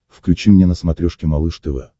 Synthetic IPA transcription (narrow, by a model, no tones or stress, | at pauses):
fklʲʉt͡ɕimnʲenəsmɐt̪ɾʲoʂkʲɪmɐlˠɨʂt̪ɨvɛ̰